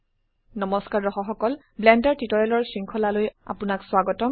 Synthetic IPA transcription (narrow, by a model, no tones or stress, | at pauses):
nɔmɔskaɹɔxɔxɔkɔl | blɛndaɹtitɔɹɛlɔɹsɹiŋkʰɔlaloja̰pʊnakswaɡɔtɔm